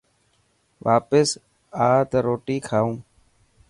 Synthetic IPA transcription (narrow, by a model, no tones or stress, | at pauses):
ʋʔaːpəs | aːt̪aɾoːʈiːkʰaːũː